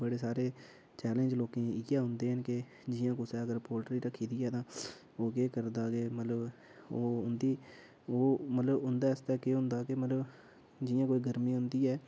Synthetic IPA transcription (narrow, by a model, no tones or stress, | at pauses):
bəɽeːsaːɾeː | t͡ʃɛːlẽnd͡ʒloːkẽːiːkjaːɦʊnd̪eːɦənkɪ | d͡ʒɪjãːkʊsɛːəɡəɾpoːɾʈɾiːɾəkʰːiːd̪iːɛːt̪ãː | oːkeːkəɾd̪aːkemət̪ləb | oːɦʊnd̪iː | oːmət̪ləbɦʊnd̪aːɪst̪ɛːkeːɦʊnd̪aːkemət̪ləb | d͡ʒɪjãːkoːiːɡəɾmĩːɦʊ̃nd̪iːɛː